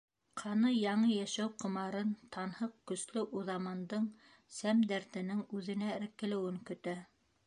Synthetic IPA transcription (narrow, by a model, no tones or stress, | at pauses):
qʰɑnɤjɑɴɤjæʃæwqŏmɑɾɤnt̪ʰɑnhɤqkɵ̆slɘʔuðɑmɑnd̪ɤɴ | sæmd̪æɾt̪ɘ̆nɘŋʉðɘ̆næɘ̆ɾkːɘ̆lɘ̆wɘŋkɵ̆t̪æ